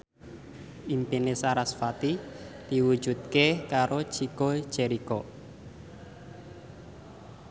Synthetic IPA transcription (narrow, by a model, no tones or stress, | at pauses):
impinesaɾasfat̪id̪̥iwu̥ʒ̥ṳt̪̚kekaɾo̥ʒ̥iko̥ʒ̥eɾikɔ